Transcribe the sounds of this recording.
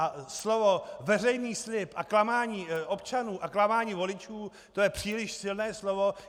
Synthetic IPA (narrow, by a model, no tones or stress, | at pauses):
aslovovɛr̝ɛjniːslɪpʔaklamaːɲiːʔo̞pt͡ʃanuːʔaklamaːɲiːvo̞lɪt͡ʃuː | t̪o̞jɛpr̝̥iːlɪʃsɪlnɛːslovo̞